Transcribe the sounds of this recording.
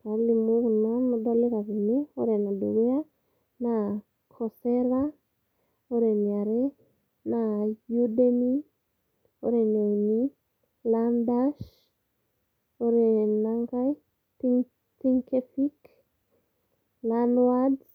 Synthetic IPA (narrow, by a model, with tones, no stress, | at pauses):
pablimukna˦mudɔ˦le˦ka˨ki˨ne˦o˦ɾe˨na˨du˨ɡe˦a˦ | na | kʰɔ˨sɛɾa | o˦ɾe˨nia˨ɾe˦ | na˨ju˦deni | oɾe˨ne˨ni˦ | landaʃ | o˦ɾe˨naŋɡa˦j | tiŋ | ti˦ŋke˦fi˦k | lanwad